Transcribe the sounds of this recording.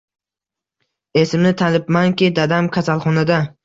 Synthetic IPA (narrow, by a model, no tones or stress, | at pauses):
e̞sɪmnɪt̪ʰalɪpmaŋkʲɪd̪ad̪amkʲʰasalˠχɒnad̪a